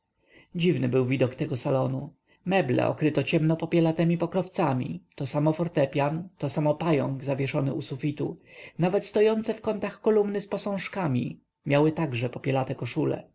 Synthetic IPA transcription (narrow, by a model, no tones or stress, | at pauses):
d͡ʑivnɘbɘwvʲid̪ɔkt̪ɛɡɔsalɔnu | mɛblɛ̰ʔɔ̰kɾɘt̪ɔt͡ɕɛmnɔpɔpʲjɛlat̪ɛmʲipɔkɾɔft̪samʲḭt̪ɔsamɔfɔɾt̪ɛpʲjant̪ɔsamɔpajɔ̰ŋɡzavʲjɛʂɔnɘ̰usufʲit̪ṵnavɛt̪st̪ɔjɔnt̪sɛfkɔnt̪axkɔlumnɘspɔsɔ̃w̃ʂkamʲḭ | mʲjawɘt̪aɡʐɛpɔpʲjɛlat̪ɛkɔʂulɛ̰